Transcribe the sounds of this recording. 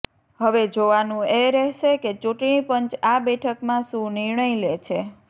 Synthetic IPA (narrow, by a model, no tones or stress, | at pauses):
ɦəʋed͡ʒoʋanũeɾɛɦʃeket͡ʃuʈɳ̃ipənt͡ʃabɛʈʰəkmãʃũniɾɳəjlet͡ʃʰe